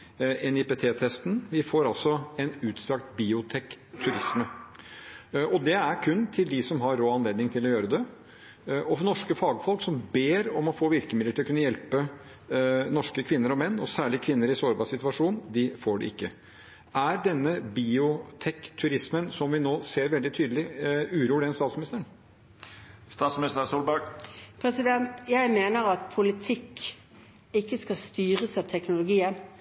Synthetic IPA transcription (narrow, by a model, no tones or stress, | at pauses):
ɛnɪpɛːt̪ʰeːt̪ʰɛst̪nʋɪfoːɾɑlsɔɛnʉːt̪st̪ɾɑkt̪biːʊt̪ʰɛkt̪ʰʉɾɪsmə | ʔɔd̪ɛæɾkʰʉnːt̪ʰɪld̪ɪsɔmɦɑɾːoːɑnleːd̪nɪŋt̪ʰɪlɔjøːɾəd̪ɛ | ɔfnɔʂkəfɑːɡfɔlksɔmbeːɾɔmɔfoːʋɪɾkəmɪd̪əʈʰɪlɔkʉnːəjɛlpə | nɔʂkəkʰʋɪnːəɾɔmɛnːɔsæːɭɪkʰʋɪnːəɾɪsoːɾbɑːʂɪt̪ʉʋɑʂuːnd̪ɪfoːɖɛ̰ɪkːə | æɾɖɛnːəbiʊt̪ʰɛkːt̪ʰːʉɾɪsmənsɔmʋɪnoːseːɾʋɛld̪ɪt̪ʰyːd̪lɪʉɾuːlɪɛnst̪ɑːt̪smɪnɪst̪əɾəɳ | st̪ɑːt̪smnɪst̪əɾsuːlbɑɡpʰɾɛsɪd̪ɛnt̪jæɪmeːnəɾɑt̪̚pʰʊlɪt̪ʰɪkː | ɪkːəskɑst̪yːʁəsɑːʋt̪ʰɛknʊlʊɡiːən